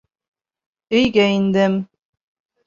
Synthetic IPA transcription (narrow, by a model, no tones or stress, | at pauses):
ɵ̆jɡæind̪ɘm